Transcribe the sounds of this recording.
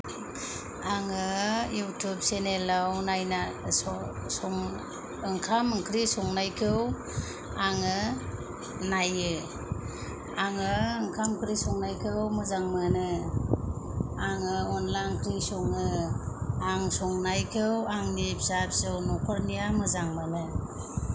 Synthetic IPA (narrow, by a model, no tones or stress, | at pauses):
aŋɯjutʰup̚senelawnajnaɔsɔŋ | ɯŋkʰamɯŋkʰɾisɔŋnajkʰɯw | aŋɯ | najɯ | aŋɯɯŋkʰamkʰɾisɔŋnajkʰɯwmɯzaŋmɯnɯ | aŋɯɔnlaŋkʰɾisɔŋɯ | aŋsɔŋnajkʰɯwaŋnip̚zap̚sɯwnɔkʰɔɾnijamɯzaŋmanɯ